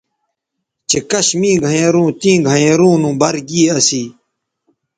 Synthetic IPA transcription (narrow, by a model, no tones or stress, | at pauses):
t͡ɕekɐɕmĩːɡʱɐjẽːɾũːt̪ĩːɡʱɐ̃ẽːɾũːnũːbɐɾɡiːɐsiː